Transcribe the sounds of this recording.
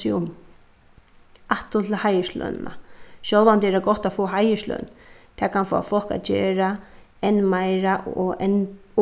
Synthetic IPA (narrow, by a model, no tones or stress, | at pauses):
ɪʊm | aht̪ʊt̪ʰɪlhajəʂlœ̰nna̰ɕœlvant̪ɛɾaɡɔht̪ːafoːaɦajəʃlœ̰nt̪ʰɛːkʰanfo̰ːa̰fɔl̥ka̰t̪̚d͡ʒḛːɹa | ɛnːmajɾaʔɛn